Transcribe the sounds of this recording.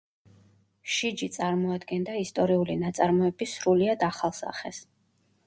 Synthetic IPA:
ʃid͡ʒit̪sʼaɾmɔad̪ɡɛnd̪aist̪ʼɔɾiulinat̪sʼaɾmɔɛbisɾuliad̪aχalˠsa̰χɛ̰s

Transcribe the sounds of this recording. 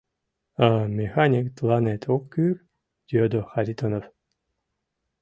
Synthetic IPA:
amʲexanʲikt̪lˠanet̪ʰokːyr | d̪̥ʲiod̪oxaɾʲit̪onof

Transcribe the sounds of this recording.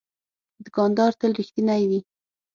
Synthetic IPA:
d̪əɡɑnd̪ɑɾt̪əlɾixt̪inajwi

